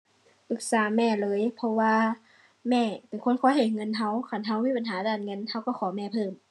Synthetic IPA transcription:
ʔɯ˧˦k̚saː˨˦mɛː˧˩˨lɤː˧˦˨jpʰɔ˧waː˧ | mɛː˧˩pe˨nkʰo˧˥˨nkʰɔː˧˥˨ha˨˩jŋɤ˧˨nɦa˧˥˨wkʰa˧˩˨nɦa˧˨wmiː˧˥pa˨nɦaː˨˦daː˧˩nŋɤ˧˨nha˧˩wka˧˩˨xʰɔː˨˦mɛː˧˩˨pʰɤː˧˩m

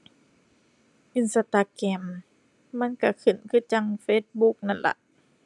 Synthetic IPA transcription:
ʔɯ˧˩˨nsa˧t̪a˧kɛː˧˩mː | a˧˥˨nka˧˩kʰɯ˨˩nkʰɯː˧˩˨t͡ɕa˧˨ŋfeː˧˥t̪̚bu˧˦k̚na˧˥˨nla̰˧˦ʔ

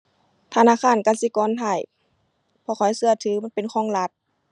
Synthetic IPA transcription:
t̪ʰa˧naː˧˥˨kʰaː˧˥˨nka˧˨nsi˧˦kɔː˧˥˨nt̪ʰa˧˩˨j | pʰɔː˧kʰɔ˨˩jsɯ˧ɐt̪ʰɯː˨˦ma˧˥˨pe˨nkʰɔː˧˥˨ŋla˧t̪̚

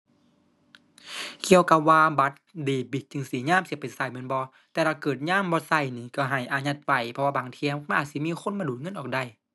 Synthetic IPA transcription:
ki˧˨əwka˧˦p̚waː˧ba˧˦t̪̚diː˨˩bi˧˩t̪̚t͡ɕɯ˧˨ŋsi˨˦ɲaː˧˨msi˧˦˨pa˨˩nsa˧˩jm˧˦˨nbɔː˧˦ | t̪ɛː˧t̪ʰaː˧˩kɤː˨˩t̪̚ɲaː˧˥˨mbɔː˧sa˧˩jniː˧˦ka˧˩ɦa˨˩jʔaː˨˧˦ɲa˧˩t̪̚wa˧˩jpʰɔ˧waː˧baː˨˦ŋt̪ʰi˧˨˦m˧ma˧˥nʔaː˨˩t̪̚si˧˦mi˧˥˨xʰo˧˥˨nba˧duː˨˩t̪̚ŋɤ˧˥˨nʔɔː˨˩k̚da˧˩j

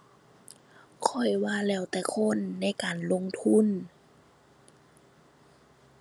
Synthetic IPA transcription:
kʰɔ˧˩jwaː˧˨lɛː˧˩wt̪ɛː˧˩kʰo˧˥˨nːa˧˩˨jkaː˨nlo˧˥˨ŋt̪ʰu˧˥˨n

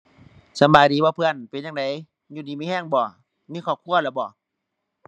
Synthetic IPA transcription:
sa˧˦baː˨jdiː˨˦bɔː˧˦pʰɯ˧˨ə˨npe˨na˧˨ŋda˨˦j | ɲuː˧˩diː˨˦miː˧˥˨hɛː˧˩˨ŋbɔː˧˩ | miː˧˥˨kʰɔː˧˩p̚kʰu˧˥˨ɐlaː˧˩bɔː˧˩˦

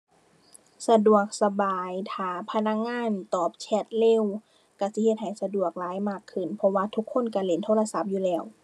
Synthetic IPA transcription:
sa˧du˨˩ək̚sa˧baː˨˩jt̪ʰaː˨˩pʰa˧na˧˥k̚ŋaː˧˥˨nt̪ɔː˨˩p̚t͡ɕʰɛ˧˥t̪̚le˧˥˨w | ka˧˩si˧˦he˧t̪̚ɦha˨˩jsa˧du˨˩ək̚laː˨˦jmaː˧˩kʰːɯ˧˩˨npʰɔ˧waː˧t̪ʰu˧˥kʰːo˧˥˨nka˧˩le˧˦nt̪ʰoː˧˥˨la˧sa˧˥˩p̚juː˧lɛː˧˩˨w

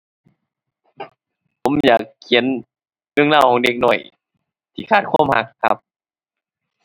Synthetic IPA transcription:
pʰo˨˦mjaː˨˩kʰːi˨˦ə˦n | nɯ˧˥ə˨ŋlaː˧˩˨wkʰɔː˨˦ŋde˧˥k̚nɔ˧˩j | t̪ʰiː˧˩kʰaː˧˩t̪̚kʰuː˧˥˨mha˧˦kʰːa̰˦˧p̚

